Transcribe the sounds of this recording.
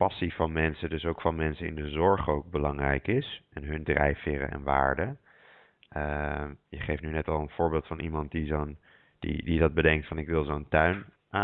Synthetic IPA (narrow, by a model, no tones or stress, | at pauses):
pɑsifɑnmɛnsədɵsowkfɑnmɛnsəɪ̰ndəzɔɹχowɡ̚bəlɑŋrɛ̰jkɪsʔɛnɦɵndrɛ̰jfɪɾə̰ʔɛ̰nʋa̰ːɹdə | ʔəjəχejftnynɛtɑlˠənv̥ʊːɹbeːlˠtfɑnʔimɑnt̚dizon | d̥ḭdidɑd̚bədɛŋk̚tfɑnɪkʋɪlˠzowntœɥn | ʔa